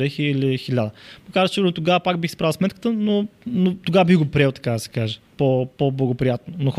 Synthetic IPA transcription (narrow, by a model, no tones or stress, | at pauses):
ɾɛxiilixilʲad̪əməkaɾd̪st͡ʃt̪oɡavəpakbixsi̥pɾalˠsmɛt̪kə̥t̪ənonot̪oɡavəbiɣɡopɾɛlˠt̪ɐ̥kad̪ɐsɛ̥kaʒəpopɔblˠɐɡopɾijat̪nonox